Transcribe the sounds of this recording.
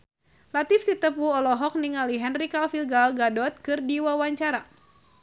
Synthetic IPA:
lat̪ifsit̪əpuɔlɔɦɔk̚niŋaliɦɛnrikalfilɡalɡadɔt̪̚kɨrdiwawaɲt͡ʃaɾa

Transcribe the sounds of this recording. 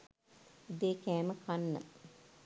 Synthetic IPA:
ud̪eːkæːməkʰanːə̰

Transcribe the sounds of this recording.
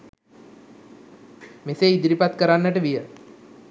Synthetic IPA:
meseid̪ɾipat̪kəɾanːəʈəʋijə

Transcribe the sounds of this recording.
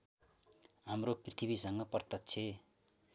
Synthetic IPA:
ɦamroprit̪ʰibisʌŋɡʌpʌrt̪ʌt͡sʰe

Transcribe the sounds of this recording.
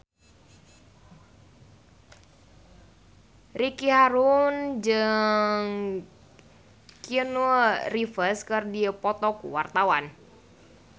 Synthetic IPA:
rikiɦaɾund͡ʒɨŋ | kiənurifəskɨrdipɔt̪ɔkṵwa̰rt̪awan

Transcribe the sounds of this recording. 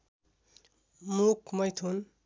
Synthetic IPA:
mukmʌjt̪ʰun

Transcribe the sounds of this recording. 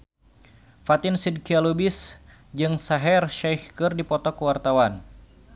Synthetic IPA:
fat̪ɪnsid̚kialubɪs | d͡ʒɨŋsaɦɛrʃɛjhkɨrdipɔt̪ɔkəwart̪awan

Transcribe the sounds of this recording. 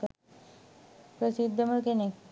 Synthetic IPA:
pɾəsid̪ʱːəməkene

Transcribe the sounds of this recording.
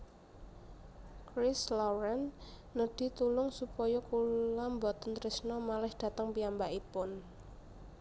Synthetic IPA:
kɾɪslɔɾɛnːəɖ̪̥i̤t̪ulʊŋsupɔjɔkulambɔt̪ənt̪ɾɪsnɔmalɪhɖ̪̥a̤t̪əŋpiambaʔipʊn

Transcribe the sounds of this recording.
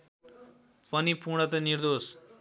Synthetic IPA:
pʌnipuɽ̃ʌt̪ʌniɾd̪os

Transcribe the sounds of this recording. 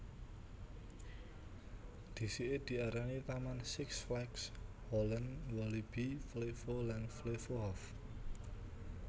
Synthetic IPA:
d̪̥i̤siʔed̪̥i̤aɾanit̪amansɪksflajks | hɔlənwɔlib̥iflefolanflefoɦɔf

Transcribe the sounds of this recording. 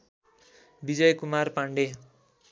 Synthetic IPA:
bid͡zʌjkumarpaɳɖe

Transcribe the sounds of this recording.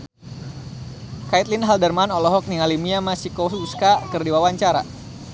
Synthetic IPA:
kait̪̚linɦaldərmanɔlɔɦɔk̚niŋalimiamasikosuskakɨrdiwawaɲt͡ʃaɾa̰

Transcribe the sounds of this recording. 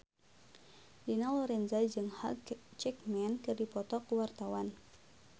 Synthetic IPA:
dinalɔɾɛnzad͡ʒɨŋha̰lt͡ʃɛk̚mɛnkɨrdipɔt̪ɔkəwart̪awan

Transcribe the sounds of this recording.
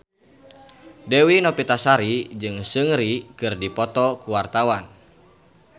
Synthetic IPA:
dɛwinɔpit̪asaɾid͡ʒɨŋsɨŋɾikɨrdipɔt̪ɔkuwart̪awan

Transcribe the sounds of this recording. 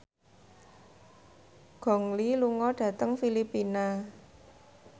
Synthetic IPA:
ɡ̥ɔ̤ŋliluŋɔɖ̥ä̤t̪əŋfilipina

